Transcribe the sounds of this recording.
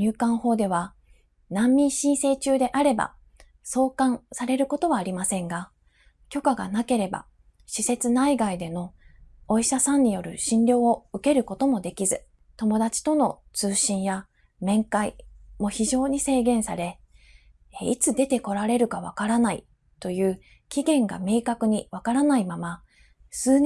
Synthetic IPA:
ɲʲɨːkãɰ̃ho̞ːd̪e̞β̞a | nãmːʲĩɰ̃ɕĩɰ̃se̞ːt͡ɕɨːd̪e̞ʔaɾe̞ba̰ | so̞ːkãɰsaɾe̞ɾɯ̟ko̞t̪o̞βaːɾʲimasẽ̞ŋɡa | kʲo̞kaɡa̰nake̞ɾe̞ba̰ | ɕise̞t͡sɨnaiɡaid̪e̞no̞oiɕasãɲ̟ːijo̞ɾɯ̟ɕĩnɾʲjo̞ːoɯ̟ke̞ɾɯ̟ko̞t̪o̞mo̞d̪e̞kʲizɨ | t̪o̞mo̞d̪at͡ɕi̥t̪o̞no̞t͡sɨːɕĩɰ̃ja | mẽ̞ŋkaimo̞çiʑo̞ːɲ̟ise̞ːɡẽ̞ɰ̃saɾe̞ | it͡sɨd̪e̞t̪e̞ko̞ɾaɾe̞ɾɯ̟kaβ̞akaɾanaḭ | t̪o̞jɯ̟ː | kʲiɡẽ̞ŋɡa̰me̞ːkakɯ̟ɲ̟iβakaɾanaimama | sɨːɲ

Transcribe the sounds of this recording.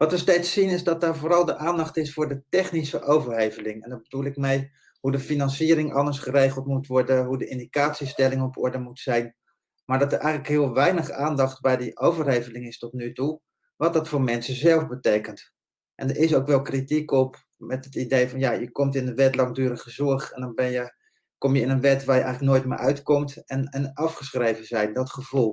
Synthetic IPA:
ʋɑtʋəstejtsːinɪzdɑt̚daːɹvʊːɾɑlˠdəʔaːndɑχtɪsfʊːɹdətɛχnisəʔowvərɦejvəlɪŋɛndɑbədulˠɪkmɛj | hudəfinɑnsiəɾɪŋʔɑndəɹsχərejχəlˠtmutʋɔɹdəɦudəʔɪndikaːtsistɛlɪŋɔpɔ̰ɹdəmutsɛjn | maːɹdɑtəɹʔɛ̰jχləkɦɪəlˠʋɛjnəχaːndɑχt̚bɛjdiʔowvərɦejvəlɪŋɪstɔtnytu | ʋɑtdɑtfʊːɹmɛnsəzɛlˠvbətejkənt | ʔɛ̰ndəɹɪsowkʋɛlˠkritikɔp | mɛtətidejfɑnjajəkɔmtɪnəʋɛtlɑŋdyːɾəχəzɔɹχɛndɑnbɛnjə | kɔmjəɪnənʋɛtʋaːɹjəʔɛjχələk̚noːjtmɪ̰ʔœɥtkɔmtɛnɛnɑfχəsχrejvənzɛjndɑtχəv̥ulˠ

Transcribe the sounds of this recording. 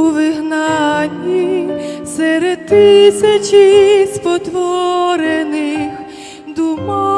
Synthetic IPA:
ʋɪɦnɑnʲːisɛɾɛd̪̚t̪ɪsʲɐt͡ʃispɔt̪ʋɔɾenɪx | d̪umɔ

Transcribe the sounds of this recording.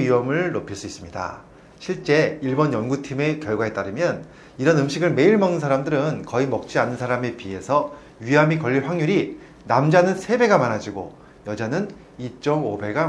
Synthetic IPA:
iʌmɯɭːopʰiɭs͈uis͈ɯmɲida̰ | ɕʰiɭt͡ɕ͈e̞iɭbʌnjʌnɡutʰime̞kjʌɭɡwae̞t͈aɾɯmjʌn | iɾʌnɯmɕʰiɡɯɭme̞iɭmʌŋɯnsʰaɾamdɯɾɯnkʌimʌk̚t͡ɕ͈ianːɯnsʰaɾame̞pie̞sʰʌ | ɥiɦamikʌʎːiɭɸwaŋɲuɾi | namd͡ʑanɯnsʰe̞be̞ɡamanad͡ʑiɡo̰ | jʌd͡ʑanɯn | it͡ɕ͈ʌmobe̞ɡa

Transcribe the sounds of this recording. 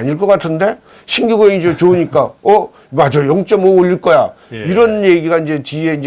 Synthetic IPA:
aɲiɭk͈ʌk͈atʰɯnde̞ | ɕʰiŋɡiɡoeid͡ʑot͡ɕouɲik͈aʌ | mad͡ʑojʌŋt͡ɕ͈ʌmʌoʎːiɭk͈ʌja | iɾʌnje̞ɡiɡaind͡ʑe̞t͡ɕie̞ind͡ʑ

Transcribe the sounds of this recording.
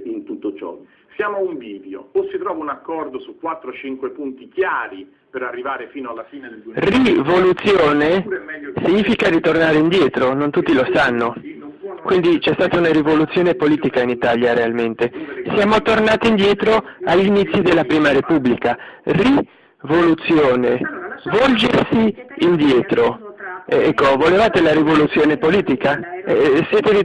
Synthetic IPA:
int̪ut̪ːot͡ʃɔ̰ | sjaːmoauɱviːd̪jo̰osːit̪ɾɔːvaunakːɔrd̪osukːwat̪ːɾot͡ʃiŋkwepunt̪ikjaːɾi | peɾarːivaːɾefiːnoalːafiːnrivolut̪sːjoːnesiɲːiːfikaɾit̪ornaːɾeind̪jɛːt̪ɾonont̪ut̪ːilosanːo | kwind̪it͡ʃɛst̪aːt̪aunarivolut̪sːjoːnepoliːt̪ikainit̪aljaɾealment̪esjaːmot̪ornaːt̪iːnd̪jɛːt̪ɾoaʎːinit̪sːid̪elːapɾiːmaɾepubːlikari | volut̪sːjoːnevɔld͡ʒesiːnd̪jɛːt̪ɾoɛɛkːovolevaːt̪elaɾivolut̪sːjoːnepoliːt̪ikaɛ̰sjɛːt̪eɾi

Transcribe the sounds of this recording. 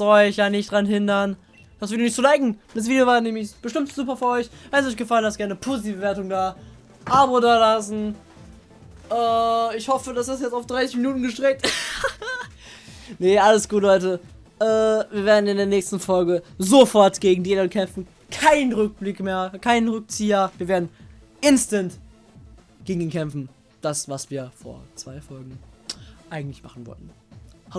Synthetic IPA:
z̥ɔɪçjaːnɪçtd̥ʁanɦɪndɐn | d̥asviːdjonɪçtt͡solaɪɡŋ̩das̬viːdjovaːnɛːmɪçb̥əʃtɪmtz̥uːpɐfyːɐɔʏçvɛnsɔɪçɡ̥əfalənhasɡ̥ɛɐnəpʰoːzitʰiːvəbəveːɐtʊŋdaː | ʔaːbodaːɐlasn̩ | ʔɛːɪçhɔfədasd̥asjɛt͡staʊfd̥ʁaɪsɪçminuːtn̩ɡəʃtʁ̥ɛk̚t | nəʔaləsɡ̥uːthɔʏtə | ʔɛːviːɐveːɐdn̩ɪndeːɐnɛːçstn̩fɔlɡəzofɔɐtɡ̥eːɡŋ̩dinənkʰɛmfn̩ | kʰaɪnənʁʏk̚b̥lɪkmeːɐkʰaɪnənʁʏk̚t͡siːɐviːɐveːɐdn̩ | ʔɪnstənt | ɡ̥eːɡŋ̩iːnkʰɛmfn̩ | d̥asv̥asv̥iːɐfoːɐt͡sv̥aɪfɔlɡŋ̩ʔaɪɡŋ̩tlɪçma̰χn̩vɔ̰ltn̩h

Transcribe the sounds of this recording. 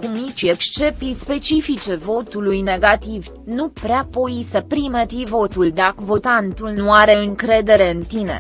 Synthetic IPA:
kumnit͡ʃe̞kst͡ʃe̞pispe̞t͡ʃifit͡ʃe̞vo̞t̪ulujne̞ɡat̪iv | nupɾeapojisəpɾimet̪ivo̞t̪uld̪akəvo̞t̪ant̪ulnuaɾe̞ɨŋkɾe̞d̪e̞ɾe̞ɨnt̪ine̞̰

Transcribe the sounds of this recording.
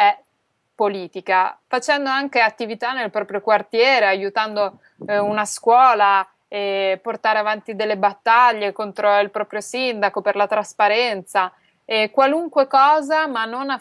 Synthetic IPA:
ɛ | poliːt̪ikafat͡ʃɛnd̪oaŋk̟eat̪ːivit̪anːelpɾɔpɾjokwart̪jɛːɾeajut̪and̪o | unaskwɔːla | ɛport̪aːɾeavant̪id̪elːebat̪ːaʎːekont̪ɾoilpɾɔːpɾjosind̪akoperlat̪ɾaspaɾɛnt̪sa | ɛkwaluŋkwekɔːzamanːona

